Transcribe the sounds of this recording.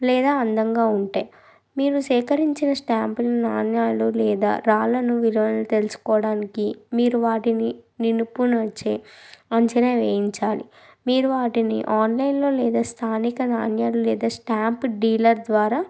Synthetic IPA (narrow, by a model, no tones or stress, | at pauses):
lɛːd̪aːɐnd̪ɐŋɡaːuɳʈaːj | miːɾusɛːkɐɾiɲt͡ʃinɐsʈaːmpninaːnjaːlulɛːd̪a̰ːɾaːlɐnuʋiɾʋɐnɐlut̪e̞lusu̥kɔːʋɐɽaːnikimiːɾuʋaːʈinininupunɐt͡ʃeɐɲt͡ʃɐneːʋeːjiɲt͡ʃaːlḭ | miːɾuʋaːʈinḭʔaːnlɐjnlo̞ːlɛːd̪aːst̪ʰaːnikɐnaːnjaːlulɛːd̪aːsʈaːmpɖiːlɐɾd̪ʋaːɾaː